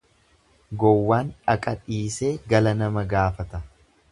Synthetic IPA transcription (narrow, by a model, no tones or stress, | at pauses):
ɡɔwːaːnɐkʼɐᶑiːse̞ːɡɐlɐnɐmɐɡaːfɐt̪ɐ